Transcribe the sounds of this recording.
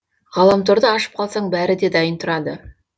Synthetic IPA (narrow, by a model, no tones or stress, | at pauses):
ʁɑlˠɑmt̪ʰoɾd̪əɑʃə̥p̚qʰɑlˠsɑɴbæɾɪd̪e̞d̪ɑjənt̪ʰʊɾɑd̪ə